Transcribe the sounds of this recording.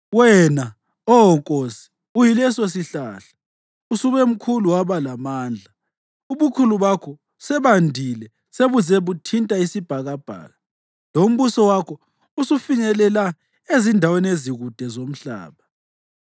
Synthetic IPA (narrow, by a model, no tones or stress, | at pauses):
wɛna | ɔɦɔŋkʼosi̥ | ujilɛsos̬iɬaːɬḁ | usuβɛm̩kʰuluwaβalamaːnd͡ɮʱa | uβukʰuluβakʰɔ | sɛβandʱilɛ | seβuzɛβutʰintʼaisib̥ʱaɣab̥ʱa̰ːɣa | lom̩βusɔwakʰɔ | usufiɲɛlɛla | ezindʱaweneziɣud̥ʱɛzom̩ɬa̰ːβa